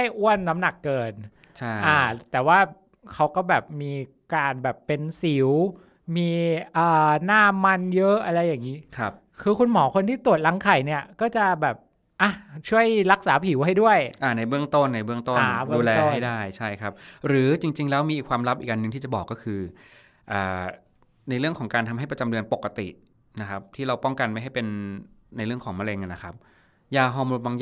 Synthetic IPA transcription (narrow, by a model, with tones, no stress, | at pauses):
a˥˩jʔu˥˩ənːa˦˥mna˨˩kːɤː˧n | t͡ɕʰa˥˩ʔaː˧˩t̪ɛː˨˩waː˥˩ | kʰa˦˥wkɔː˥˩bɛː˨˩p̚miː˧ | kaː˧nbɛː˨˩pːe˧nsi˩˦w | miː˧ʔaː˨˩naː˥˩ma˧njɤ˦˥ʔa˧ɾa˧jːaː˨˩ŋːiː˦˥kʰa˦˥p̚ | kʰɯː˧kʰu˧nmɔː˩˦kʰo˧nt̪ʰiː˥˩t̪u˨˩ət̪̚la˨˧˦ŋkʰa˨˩jni˥˩ɐkɔː˥˩t͡ɕa˨˩bɛː˨˩p̚ | ʔa˧˩t͡ɕʰu˥˩əjɾa˦˥k̚saː˩˦pʰi˨˩˦wha˥˩jdu˥˩əjʔa˨˩na˧jbɯ˥˩əŋt̪o˥˩nːa˧jbɯ˥˩əŋt̪o˥anː˨˩bduː˧lɛː˧˥ɦa˥˩jdaː˥˩jt͡ɕʰa˥˩jkʰa˦˥p̚ɾɯː˩˦t͡ɕi˧ŋt͡ɕi˧ŋlɛː˦˥wmiː˧ʔiː˨˩kʰwaː˧mɾa˦˥p̚ʔiː˨˩kʔa˧nːɯ˨ŋt̪iː˥˩t͡ɕa˨˩bɔː˨˩kːɔː˥˩kʰɯː˧ | ʔaː˨˩ | na˧jɾɯ˥˩əŋkʰɔ˩˦ŋkaː˧nt̪ʰa˧mɦa˥˩jpɾa˧t͡ɕa˧mdɯ˧ənpo˨˩kːa˧t̪ḭ˨˩ | na˦˥kʰa˦˥p̚t̪ʰiː˥˩ɾa˧wpɔ˥˩ŋka˧nma˥˩jɦa˥˩jpe˧nna˧jɾɯ˥˩əŋkʰɔː˩˦ŋma˧le˧ŋʔa˨na˦˥kʰa˦˥p̚ | jaː˧ɦɔː˧mɾu˧nwaː˧ŋ